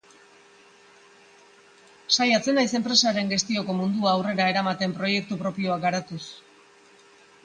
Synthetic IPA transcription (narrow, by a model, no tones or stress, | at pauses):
sajat͡se̞najse̞mpɾe̞saɾe̞ŋɡe̞st̪io̞ko̞mund̪uaːwre̞ɾae̞ɾamat̪e̞mpɾo̞je̞k̚t̪upɾo̞pio̞akɡaɾat̪us